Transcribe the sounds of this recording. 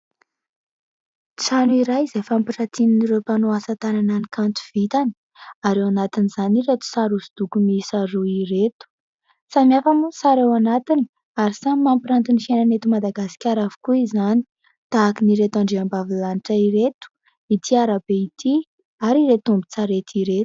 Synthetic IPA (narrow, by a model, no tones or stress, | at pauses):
t͡sanuiɾajizefampiʈ͡ʂat̪ininiɾepanoasat̪anananikant̪u̥v̥it̪ani̥ | aɾewanat̪iniz̥aniɾet̪u̥saɾusi̥d̪̥ukumisaɾuiɾet̪u̥ | samiafamusaɾewanat̪ini̥ | aɾisamampiɾant̪unifienanet̪umad̪aɡasi̥kʲaɾavu̥kuizani̥ | t̪aːkiniɾet̪aɳɖ͡ʐeambavilaniʈ͡ʂaiɾet̪u̥ | it̪ʰiaɾabeit̪ʰi | aɾiɾet̪umbi̥t͡saɾet̪iɾet̪u̥